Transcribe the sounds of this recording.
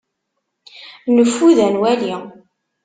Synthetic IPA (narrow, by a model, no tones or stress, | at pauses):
nəfːuðænwæli